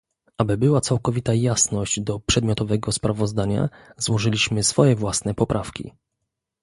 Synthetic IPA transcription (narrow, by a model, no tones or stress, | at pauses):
ʔabɘbɘwat̪sawkɔvʲit̪ajasnɔʑd͡ʑd̪ɔpʂɛd̪mʲjɔt̪ɔvɛɡɔspɾavɔzd̪aɲa̰zwɔʐɘlʲiɕmɘsfɔjɛvwasnɛpɔpɾʔafkʲḭ